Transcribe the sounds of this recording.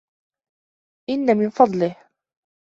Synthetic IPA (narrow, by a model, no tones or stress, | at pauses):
ʔɪnːamɪnfɑd̪ˤlɪh